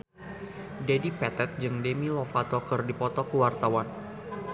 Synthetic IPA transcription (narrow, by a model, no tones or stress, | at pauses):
dedipɛt̪ɛt̪̚d͡ʒɨŋdemilɔfat̪ɔkərdipɔt̪ɔkəwart̪awan